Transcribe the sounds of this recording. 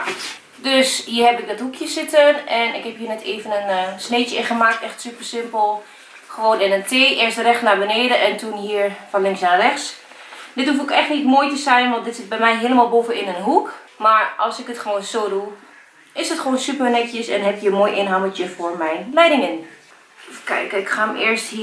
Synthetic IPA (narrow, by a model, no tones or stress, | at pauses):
døshiːəɹɦɛpɪk̚dɔtɦukʰjəsɪtənɛnɪ̰khɛphiːnɛtʰeːvənənsneːtjəɪxəmaːk̚tɛxtsypərsɪmpəlˠ | xəʋoːnɪnəntʰeːʔɪərstərɛxsnabəneːdəʔɛntʰunɦiːəɹfɔnlɪŋsnarɛxs | dɪthuf̬okɛxtnitmoːjtəsɛjnʋɔntdɪtsɪt̚bɛjmɛjɦeːləmalˠbofəɪnənɦuk | maɹʔɑ̰lˠsɪkətχəʋoːnsoːdu | ʔɪsdətχəʋoːnsypərnɛkjəsɛ̰nɦɛpjəmoːjʔɪnɦamətjəfʊːɹmɛjlɛjdɪŋɪn | kɛ̰jkɪkxaəmɪəɹsthi